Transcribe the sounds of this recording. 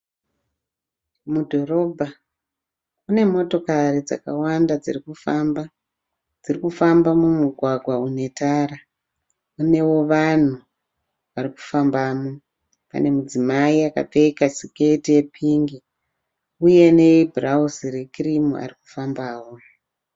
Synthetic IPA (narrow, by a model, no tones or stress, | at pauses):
mudʱo̞ro̞bʱa | une̞mo̞to̞karid͡za̰kawandad͡zirikufamba | d͡zirikufambamumuɡʱwaɡʱwaune̞taːɾa | une̞wo̞ʋan̤u | ʋariku̥fambaːmo | pa̰ne̞mud͡zimaiaka̰p͡feikasiketije̞pʰiŋɡi | uje̞ne̞ibʱrausire̞kirimua̰riku̥fambaːwo̞